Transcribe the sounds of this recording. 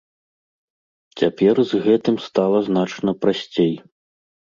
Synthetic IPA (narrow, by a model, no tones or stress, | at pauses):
t͡sʲapʲɛrzɣɛt̪ɨmst̪alˠɐznat͡ʂnɐpɾasʲt͡sʲej